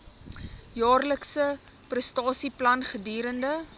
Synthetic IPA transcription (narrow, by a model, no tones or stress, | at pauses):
jɑːrləksə | prəstɑːsiplɐnχədiːɾəndə